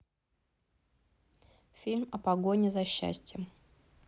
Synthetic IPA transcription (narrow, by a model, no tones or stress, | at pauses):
fʲilʲmɐpɐɡonʲɪzɐɕːæ̰sʲtʲjəm